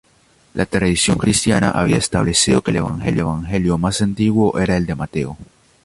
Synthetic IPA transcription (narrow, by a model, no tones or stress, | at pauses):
lʔat̪ɾaðisjo̞ŋkɾist̪jana̰ʔaβ̞iaest̪aβle̞sið̞o̞kele̞βa̰ŋxe̞̰ljoeβ̞aŋxe̞ljo̞masant̪iɣwoʔe̞ɾae̞ld̪e̞mat̪e̞o